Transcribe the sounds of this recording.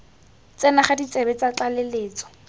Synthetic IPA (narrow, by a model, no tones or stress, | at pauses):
t͡sɛnaχadit͡sebɛt͡sat͡ɬaleleːt͡sɔ̥